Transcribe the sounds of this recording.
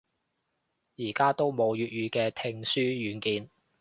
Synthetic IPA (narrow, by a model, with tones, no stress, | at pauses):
jiː˨˩kaː˥t̪o˥wmo˨˧wjyː˨t̚ɥyː˨˧kɛː˧t̪ʰɪ˧ŋsyː˥jyː˨˧nkiː˨˧n